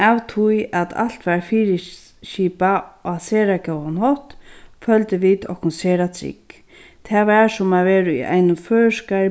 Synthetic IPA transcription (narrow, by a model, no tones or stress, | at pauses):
awt̪ʰʊjat̪ʰa̰lt̪ʋaɹfiːɾɪ | ʃiːpaɔseːɾakɛwanhɔht̪fœlt̪ɪʋiːt̪ɔ̰kʊnseːɾat̪ʰɾɪ̰k | t̪ʰɛːʋaɹsʊmaʋeːɾʊḭʔa̰jnʊmføːska